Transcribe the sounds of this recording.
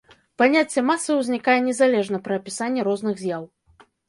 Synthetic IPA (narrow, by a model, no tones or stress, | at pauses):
panʲat͡sʲːɛmasːɨwzʲnʲikajɛnʲɛzalʲɛʐnɐpɾɐːpʲisanʲːɛɾɔznɨɣzʲjaw